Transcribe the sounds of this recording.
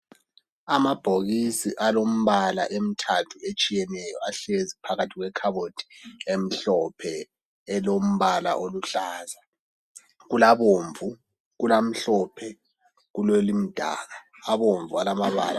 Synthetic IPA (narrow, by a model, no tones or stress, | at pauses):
amab̥ʱoɣisiʔalom̩βala̰ʔem̩tʰatʰuet͡ʃʼijɛnɛjɔaɬezipʰaɣatʰiɣwɛkʰaβotʰi̥em̩ɬɔpʰɛ | ɛlom̩βala̰ʔoluɬaːza | ɣulaβoːɱvu | ɣulam̩ɬɔpʰɛ | ɣulelim̩d̥ʱa̰ːɣaː | βoɱvualamaβa̰la̰